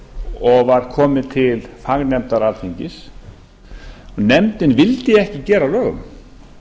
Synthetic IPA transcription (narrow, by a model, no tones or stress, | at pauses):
ɔɣvaɾ̥kʰɔːmɪt̪ʰɪlfaɣnɛmt̪aɾalθʰeɲcɪs | ɔnɛmt̪ɪnvɪlt̪ɪɛhcɪcɛːɾalœːɣʏ̰m